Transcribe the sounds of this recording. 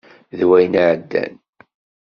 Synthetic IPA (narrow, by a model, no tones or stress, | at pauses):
ðwæjnʕəd̪ːæ̰n